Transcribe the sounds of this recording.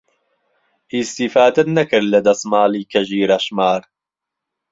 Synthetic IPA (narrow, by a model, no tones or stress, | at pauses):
ʔist̪ifaːd̪ɐnɐkɨɾlɐd̪ɐsmaːliːkʰɐʒiːɾɐʃmaːɾ